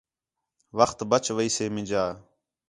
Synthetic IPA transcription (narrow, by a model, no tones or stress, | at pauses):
ʋəxt̪bət͡ʃʋəiːseːmɪ̃d͡ʒaː